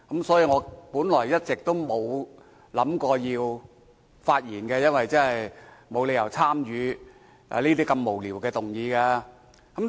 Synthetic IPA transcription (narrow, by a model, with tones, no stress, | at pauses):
kɐ˨˥msɔː˨˥jiː˧ŋɔː˨˧puː˨˥nlɔː˨˩jjɐ˥t̚t͡sɪ˨k̚t̪o˥wmo˨˧w | lɐ˨˥mkɔː˧jiː˧w | faː˧t̚jiː˨˩nkɛː˧jɐ˥nwɐ˨jt͡sɐ˥nɦɐ˨jmo˨˧wle˨˧jɐ˨˩wt͡sʰaː˥mjyː˨˧ | a̰˨˩liː˥t̪iː˥kɐ˧mːo˨˩wliː˨˩wkɛː˧t̪ʊ˨˩ŋjiː˨˧kɛː˧ | kɐ˨˦m